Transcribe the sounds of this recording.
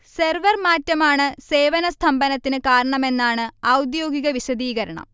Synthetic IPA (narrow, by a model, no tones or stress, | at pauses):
serʋɐrmaːtːɐmaːɳɨse̞ːʋɐnɐst̪ʰɐmbɐnɐt̪ːinɨkaːɾɐɳɐme̞nːaːɳɨɐwd̪jo̞ːɡiɣɐʋiɕɐd̪iːɣɐɾɐɳɐ̰m